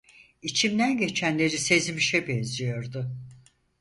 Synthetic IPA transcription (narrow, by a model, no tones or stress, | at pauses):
it͡ʃʰimd̪ænɟe̞t͡ʃʰænlʲe̞ɾise̞zmiʃɛbɛnzijo̞ɾd̪ʊ